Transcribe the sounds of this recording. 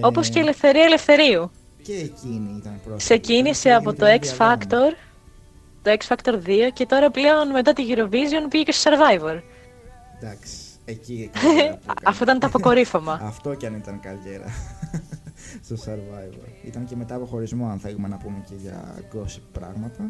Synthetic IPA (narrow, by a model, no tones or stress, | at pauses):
o̞po̞sce̞ːle̞fθe̞ɾiɐele̞fθe̞ɾiu | eciniit̪ɐnɾkse̞cinise̞ɐpo̞t̪o̞e̞ksfɐkt̪o̞ɾ | t̪o̞eksfɐkt̪o̞ɾðio̞ce̞t̪o̞ɾɐple̞o̞nme̞t̪ɐt̪iʝiɾo̞vizio̞npiʝe̞cestoseɾvɐjveɾ | d̪ɐksi̥ | eci | ɐft̪oit̪ɐnt̪ɐpoko̞ɾifɐmɐɐft̪ocɐnit̪ɐnkɐɾʝeɾɐ̰ | st̪oseɾvɐjvḛɾḭt̪ɐncemet̪ɐpoxo̞ɾizmo̞ɐnθeɣumenɐpumeceʝɐ̰ɡosi̥pɾɐ̰ɣmɐt̪ɐ